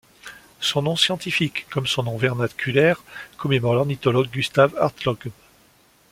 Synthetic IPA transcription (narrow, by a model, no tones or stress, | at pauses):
sɔ̃nɔ̃sjɑ̃t̪ifikːɔmsɔ̃nɔ̃vɛʁnat̪kʲʰylɛʁkɔmemɔʁɑnit̪ɔlɔɡ̚ːyst̪ava̰ʁt̪lɔɡ